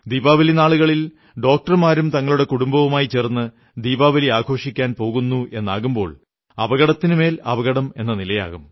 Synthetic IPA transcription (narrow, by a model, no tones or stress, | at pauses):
d̪iːbaːʋɐlinaːɭuɣɐɭil | ɖo̞ːk̚ʈɐrmaːɾumt̪ɐŋːɐɭuɽe̞kuɽumbɐʋumaːjit͡ɕːernːɨ | d̪iːbaːʋɐliaːɡʱo̞ːʂikʲːaːnpo̞ːɣunːuʔe̞nːa̰ːɣumbo̞ːɭ | ɐ̰bɐɣɐɽɐt̪ːinɨme̞ːlɐbɐɣɐɽɐme̞̰nːɐnilɐja̰ːɣum